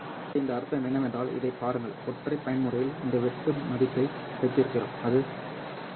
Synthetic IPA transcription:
ɪnd̪ɐːɾɯt̪ːɐmɛɳːɐmɛndraːlɪ̰ðɐɪpaːɾɯŋɡɐɭɔʈrɐɪpːɐjɐnmɯrɐjɪlɪnd̪ɐʋɛt̪ːɯmɐðɪt̪ːɐɪ | sɐɪt̪ːɪɾɯkːɪro̰ːmɐðɯ

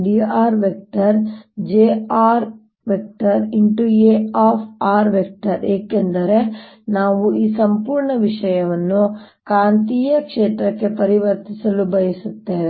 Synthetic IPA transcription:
ɖiaːɾʋek̚ʈɐɾd͡ʒeaːɾ | ʋek̚ʈɐɾiɳʈueːaːpʰaːɾʋek̚ʈɐɾeːkend̪ɐɾe̞ | naːʋuʔiːsɐmpuːɾɳɐʋiʂɐjɐʋɐnːukaːnt̪ijɐkʂeːt̪ɾɐkːe̞pɐɾiʋɐɾt̪isɐlubɐjɐsut̪ːeːʋe

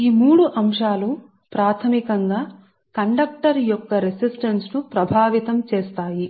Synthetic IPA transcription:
iːmuːɽuʔɐmʂaːlu | pɾaːt̪ʰɐmikɐŋɡaː | kɐɳɖɐk̚ʈɐɾjɔkːɐɾesisʈɐnsnupɾɐbʱaːʋit̪ɐmt͡ʃeːst̪aːji

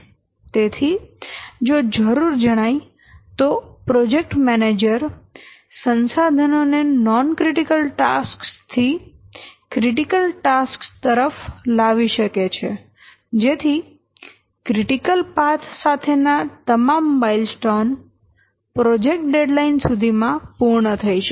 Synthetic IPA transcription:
t̪et̪ʰi | d͡ʒod͡ʒəɾuɾd͡ʒəɽ̃aj | t̪opɾɔd͡ʒek̚ʈmɛned͡ʒəɾ | sənsad̪ʱənonenɔnkɾiʈikəlʈaskst̪ʰi | kɾiʈikəlʈaskst̪əɾəflaʋiʃəket͡ʃʰe | d͡ʒet̪ʰi | kɾɪʈikəlpat̪ʰsat̪ʰenat̪əmambailsʈɔn | pɾɔd͡ʒek̚ʈ̚ɖeɖlainsud̪ʱimãpuɾɳət̪ʰəiʃ

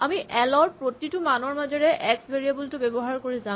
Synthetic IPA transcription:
amiʔɛlɔɹpɹotitʊmanɔɹmazɔɹɛʔɛksbʱeɹijabultʊbɛbɔɦaɹkoɹiza

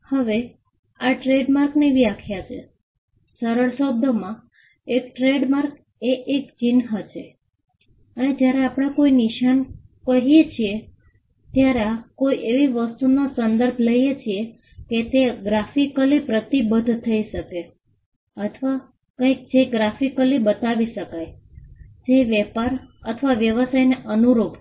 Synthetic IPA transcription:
həʋe | aʈɾeɖmaɾkneʋiakʰjat͡ʃʰe | səɾəɭsob̚d̪ʱəmã | ek̚ʈɾeɖmaɾk | eʔek̚d͡ʒinɦət͡ʃʰe | əned͡ʒjaɾeapɽ̃ãkoiniʃankəɦijet͡ʃʰie | t̪jaɾakoiʔeʋiʋəst̪unosənd̪əɾbʱləjet͡ʃʰie | ket̪eɡɾafikəlipɾət̪ibəd̪ʱt̪ʰəiʃəke | ət̪ʰʋa | kə̃jk̚d͡ʒeɡɾafikəlibət̪aʋiʃəkaj | d͡ʒeʋjɛpaɾət̪ʰʋaʋjəʋəsajneʔənuɾub

